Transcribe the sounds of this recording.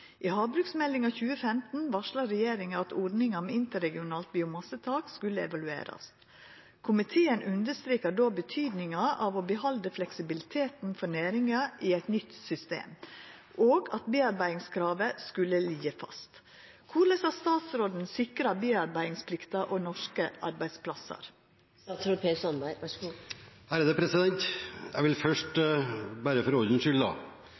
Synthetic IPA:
ʔiːhɑːbɾʉːksmɛlːɪŋɑçʉːəfɛmt̪n̩ʋɑʂɭɑɾɛjeːɾɪŋəɑt̪ɔɖ̪nɪŋɑmɛɪnt̪əɾɛɡɪʊnɑːlt̪̚biːʊmɑsət̪ʰɑːkskʉlːəɛ̰ʋɑlʉḛːɾɑ̰s | kʰʊmɪt̪ʰeːənʔʉnd̪əst̪ɾiːkəɖoːbət̪ʰyːd̪nɪŋɑʔɑːʋobəhɑld̪əflɛksɪbɪlɪt̪ʰeːt̪n̩fɔnæːɾɪŋɑʔiɛt̪nʏt̪sʏst̪ḛːm | ʔoːɡɑt̪beːɑɾbæɪɪŋskʰɾɑːʋəskʉlːəliːəfɑ̰st̪ | kʰuːləsɑst̪ɑːt̪sɾoːd̪n̩sɪkɾɑbiːɑɾbæɪɪŋspʰlɪkt̪ɑʔoːnɔʂkəʔɑ̰ɾbæɪspʰlɑsə̰ɾ | t̪sɾopʰeːsɑnbæɪ | hæɾəd̪əpʰɾɛsɪd̪ɛnt̪jæ̰ʋɪlfœʂʈbæːɾəfɔɾɔd̪ənʃʏld̪ɑ̰

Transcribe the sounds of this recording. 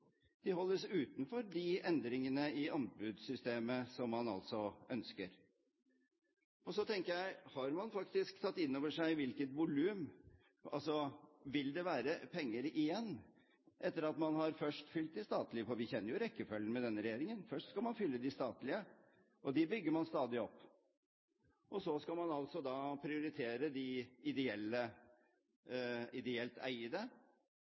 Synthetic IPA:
d̪̥ɪhɔlːəsʉːt̪nfɔɾd̪ɪɛnd̪ɾɪŋənəɪɑnbʉd̪sʏst̪eːməsɔmːɑnɑ̰lt̪sɔœnskəɾ | ɔsɔt̪ʰɛŋkəjæɪhɑɾmɑnfɑkt̪ɪsk̚t̪ʰɑt̪ːɪnːoːʋəʂæɪʋɪlkət̪ʋʊlʉːm | ʔɑ̰lsɔʋɪld̪ɛʋæːɾəpʰɛŋːəɾɪjɛnː | ʔɛt̪ːəɾɑt̪mɑnhɑɾfœʂʈfʏlt̪̚d̪ɪst̪ɑːt̪lɪəfɔɾʋɪçɛnːəɾjʊɾɛkːəfœlːən̩mɛd̪ɛnːəɾɛjeːɾɪŋənfœʂʈskɑlmɑnfʏlːəd̪ɪst̪ɑːt̪lɪə | ʔɔd̪ɛbʏɡːəɾmɑnst̪ɑːd̪ɪɔpː | ʔɔsɔskɑlmɑnɑlt̪sɔd̪ɑːpʰɾɪʊɾɪt̪ʰeːɾəd̪ɪɪd̪ɛɛlːə | ɪd̪ɛɛlt̪æ̰ɪəd̪ə

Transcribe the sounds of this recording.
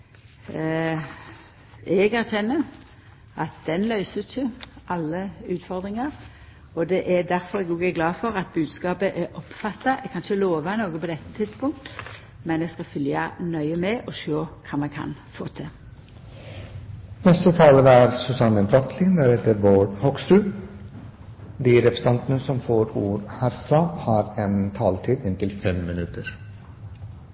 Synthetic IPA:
ɛɡæɾçɛnːə | ʔɑt̪̚d̪̥ɛnlœʏsəçəʔɑlːəʉːt̪fɔʁd̪ʁɪŋɑɾ | ɔd̪ɛʔæd̪æɾfɔɾɛɡuːɡæɡlɑːfɔɾɑt̪̚bʉːd̪skɑːpəʔɛʔɔpfɑt̪ːɑʔɛɡkʰɑnçəloːʋɑnoːɡəpɔd̪ɛt̪ʰːə̥t̪ʰɪd̪spʊŋk̚t̪ | mɛnɛɡskɑfʏljɑ̰nœʏəmɛʔɔʃøːkʰɑːmɛkʰɑ̰nfo̰ːt̪ʰɪ | nɛst̪ət̪ʰɑːləɾəæɾsʉsɑnəbɾɑk̪ʰlɪnd̪æɾheːt̪əɾʋoɖhɔksɾʉː | d̪iɾɛpɾəsɛnt̪ənəsɔmfoːɾuːɾhæːɾfɾɑːhɑɾɛnt̪ʰɑːlt̪ʰiːd̪ɪnt̪ɪlfɛmːɪnʉt̪əɾ

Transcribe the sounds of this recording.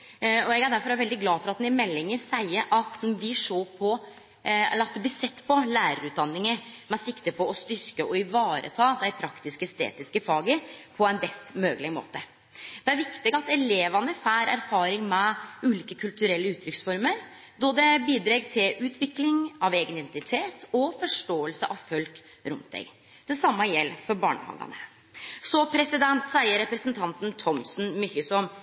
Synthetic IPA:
ɔɛɡæɖ̪æɾfɔɾɑʋɛld̪ɪɡlɑːfɔɾɑt̪nɪmɛlːɪŋəɾsæɪəɾʔɑt̪bɪʂoːpʰɔ | ɛ̰lːəɾɑt̪d̪ɛb̪ɪsɛt̪ːpʰɔlæːɾəɾʉːt̪̚d̪ɑnːɪŋəmɛsɪkt̪əpʰɔɔst̪ʏɾkəʔɔɪʋɑːɾə̰t̪ʰɑːd̪æɪpʰɾɑkt̪ɪskəst̪ḛːt̪ɪskəfɑːɡəpʰɔæɪnbɛst̪møːɡlɪmo̰ːt̪ə | d̪̥ɛæɾʋɪkt̪ɪɡɑt̪ɛleːʋɑnəfæːɾæ̰ɾfɑːɾɪŋmɛʉːliːkəkʰʉlt̪ʉɾɛlːəʉːt̪ʰɾʏksfɔɾməɾ | d̪ɔd̪ɛbiːd̪ɾeɡt̪ʰɪlʔʉːt̪ʰʋɪklɪŋɑʋeːɡənɪd̪ɛnt̪ɪt̪ʰeːt̪ɔfɔʂʈoːəlsəʔɑʋfœlk | ɾʊ̰mt̪ʰɛ̰ɡ | d̪̥ɛsɑmːɑjɛlːfɔɾbɑ̰ːɳə̰hɑ̰ːɡɑ̰nə | sɔpʰɾɛsɪd̪ɛnt̪sæɪəɾɛpɾɛsənt̪ʰɑnt̪nt̪ʰɔmsn̩mʏçəsɔm

